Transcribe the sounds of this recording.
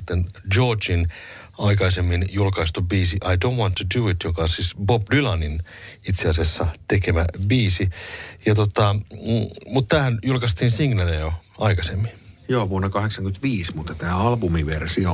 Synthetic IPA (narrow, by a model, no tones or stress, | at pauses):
t̪ːend͡ʒoːt͡ʃin | ɑikɑisemːinjulkɑist̪ubiːsiʔɑidonwɑnt̪ʰːuduːit̪jokɑsisbopdylɑnin | it̪seɑsiɑsːɑt̪ekemæbiːsijɑt̪ot̪ɑ | mut̪t̪æːhænjulkɑst̪iːnsiŋnænejoɑikɑsemːinjoːʋuonːɑkɑheksɑŋkyt̪ʋiːsmut̪ːɑt̪æːɑlbumiʋersio